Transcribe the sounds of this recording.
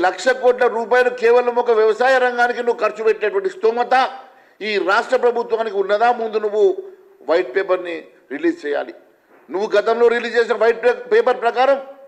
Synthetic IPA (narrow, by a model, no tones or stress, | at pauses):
lɐkʂɐkoːʈlɐɾuːp̬aːjɐlukeːʋɐlɐmɔkɐʋjɐʋɐsaːjɐɾɐŋɡaːnikinuʋːukɐɾt͡ʃubɛʈːeːɐʈʋɐɳʈist̪oːmɐt̪ɐ | iːɾaːʂʈɾɐpɾɐbʱut̪ʋaːnikiunːɐd̪aːmund̪unuʋːu | ʋɐjʈ̚peːpɐɾni | ɾiliːd͡ʒt͡ʃɛːja̰ːli | nuʋːuɡɐt̪ɐmlo̞ːɾiliːd͡ʒt͡ʃeːs̬inɐʋɐjʈ̚peːpɐɾpɾɐkaːɾɐm